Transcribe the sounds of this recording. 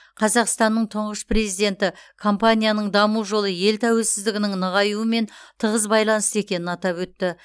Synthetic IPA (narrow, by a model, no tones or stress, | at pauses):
qʰɑzɑqst̪ɑnːəɴt̪ʰʊɴʁəspre̞zijd̪e̞nt̪ɪkʰo̞mpanʲijanəɴd̪ɑmuʒo̞lˠəje̞lt̪ʰæwe̞lsɪzd̪ɪɡʲɪnɪŋnəʁɑjuəme̞nt̪ʰəʁəzbɑjlˠɑnəse̞kʲe̞nɪnɑt̪ɑpwɵt̪ːɪ